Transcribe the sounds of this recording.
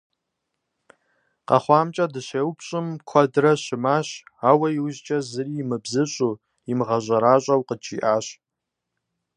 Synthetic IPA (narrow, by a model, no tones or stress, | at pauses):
qɑ̰χʷɑːmt͡ʃʼɐdɨɕeːwpʰɕʼɨmkʷʰadrɐɕɪmaːɕaːwɐjiwʑt͡ʃʼɐzɨrimɨbzɨɕʷʼu | imʁɐʑʷʼɐɾaːɕʷʼɐwqət͡ʃʰiʔaːɕ